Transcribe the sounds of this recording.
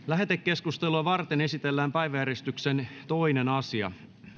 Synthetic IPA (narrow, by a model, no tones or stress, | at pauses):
læɦet̪ekːe̞skust̪eluɑʋɑrt̪ene̞sit̪elːæːmpæjʋæjæɾest̪yksent̪o̞inenɑsiɑ̰